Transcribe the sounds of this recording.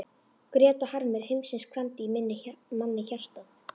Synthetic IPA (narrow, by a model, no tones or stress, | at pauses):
kɾjɛːt̪ɔhaɾmɪɾ̥hɪjmsɪnskʰvant̪ɪimɪnːɪmanːɪçar̥t̪að